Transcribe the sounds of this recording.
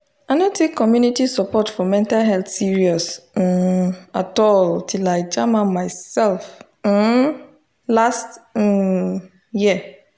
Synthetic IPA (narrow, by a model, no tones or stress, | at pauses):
aɪnõtʰekʰːɔmjunitisɔpɔtfɔmɛ̃ntalɦɛlt̪siɹiɔs̩ | atɔltʰilaɪd͡ʒamãmajsɛlf̩ | last | jiə